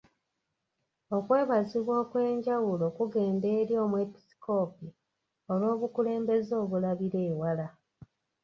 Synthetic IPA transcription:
o̞kwe̞ːβaziβwo̞kwe̞ːɲɟawulo̞kuɡe̞ːnde̞ːɾjo̞ːmuepi̥si̥ko̞ːpi | olwo̞ːβukule̞ːmbe̞zo̞ːβulaβiɾe̞ːwala

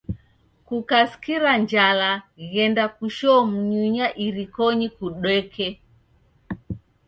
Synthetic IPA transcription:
kukaskiɾand͡ʒalaɣɛndakuʃɔm̩ɲuɲaʔiɾikɔɲikuɗwɛkʰɛ

